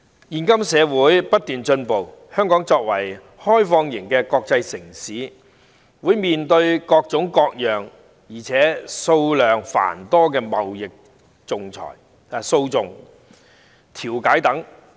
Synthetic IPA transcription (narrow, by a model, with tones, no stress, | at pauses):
jiː˨˧nkɐ˥msɛː˨˧wuː˨˥jpɐ˥t̚t̪yː˨nt͡ʃɵ˧npo˨whœː˥ŋkɔː˨˥ŋt͡sɔː˧k̚wɐ̰˨˩j | hɔː˥jfɔː˧ŋjɪ˨˩ŋkɛː˧kɔː˧k̚t͡sɐ˧jsɪ˨˩ŋsiː˨˥ | wuː˨˥jmiː˨nt̪ɵ˧ɥkɔː˧k̚t͡sʊ˨˥ŋkɔː˧k̚jœː˨ŋ | jiː˨˩t͡sʰɛː˨˥so˧wlœː˨ŋfa̰ː˨˩nt̪ɔː˥kɛː˧mɐ˨wjɪ˨k̚ | t͡sʊ˨ŋt͡sʰɔ̰ː˨˩j | so˧wt͡sʊ˨ŋ | t̪ʰiː˨˩wkaː˨˥jt̪ɐ˨˥ŋ